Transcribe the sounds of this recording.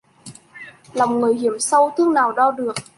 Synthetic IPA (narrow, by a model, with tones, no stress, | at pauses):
la˨˩wŋ͡mŋɨ˨˩əjɦi˧˩əmsə˧wt̪ʰɨ˧˥əŋnaː˨˩wɗɔ˧ɗɨ˨˩ək̚